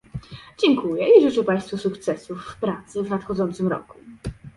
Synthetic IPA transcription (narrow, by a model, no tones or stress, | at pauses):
d͡ʑɛŋkujɛʔiʐɘt͡ʂɛpãj̃st̪fusukt̪sɛsufːpɾat̪sɘvnat̪xɔd̪zɔnt̪sɘmɾɔ̰ku̥